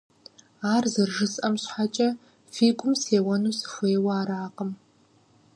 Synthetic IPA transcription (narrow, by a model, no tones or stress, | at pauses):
aːrzɨrʒɨsʼʔɐmɕħat͡ʃʼɐ | fiːɡʷʼʊmseːwɐnuːsɨ̥xʷeːwɐaːɾaːqʼəm